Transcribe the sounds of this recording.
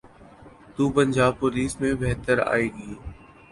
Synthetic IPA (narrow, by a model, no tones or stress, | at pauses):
t̪uːpəɲd͡ʒaːb̚pʊliːsmẽːbeɦt̪əɾa̰ːeːɡəoː